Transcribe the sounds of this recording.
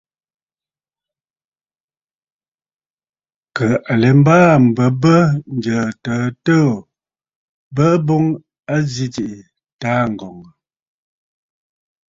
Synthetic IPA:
kə˨a˨le˨m̩˦baː˦m̩˨bə˨bə˦n̩˨d͡ʒə˨təː˨˦təː˦˨ | bə˦bo˦ŋ | a˦zi˦ti˨ʔi˨ | taː˦ŋ̩˨ɡɔ˨ŋ˨

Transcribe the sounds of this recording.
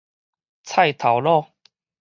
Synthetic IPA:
t͡sʰa˥˧jt̪ʰa˨˩wlɔ˥˧

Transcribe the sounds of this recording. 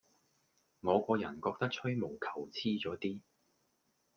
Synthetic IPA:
ŋɔː˨˧kɔː˧jɐ˨˩nkɔː˧k̚t̪ɐ˥k̚t͡ʃʰɵ˥ɥmo˨˩wkʰɐ̥˨˩wt͡sʰiː˥t͡ʃɔː˨˥t̪iː˥

